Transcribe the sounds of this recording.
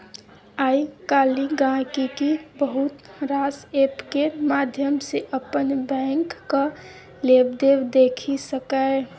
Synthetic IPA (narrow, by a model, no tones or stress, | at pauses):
aikaliɡãkikibəɦut̪ɾasepkemad̪ʱjəmseʔəpənbɛ̃ŋkːə | lebd̪ebd̪ekʰisəkəɪ